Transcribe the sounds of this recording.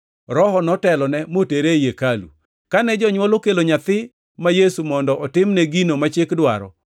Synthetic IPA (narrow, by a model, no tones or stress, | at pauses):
ɾɔhɔnɔtɛlɔnɛmoteɾejekalṵ | kanɛd͡ʒɔɲwɔlokeloɲat̪ɪ | majesumɔndɔʔɔtɪmnɛɡinomat͡ʃekdwaɾɔ̰